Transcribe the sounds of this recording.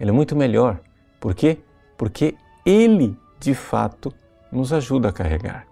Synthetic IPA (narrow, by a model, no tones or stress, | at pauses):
ɛlɛmũj̃t̪ʊmeʎɔɾ | poɾke | poɾkʰe | elɪ | d͡ʒɪfa̰t̪ʊ | nʊzaʒud̪ɐːkaɦḛɡa̰ɾ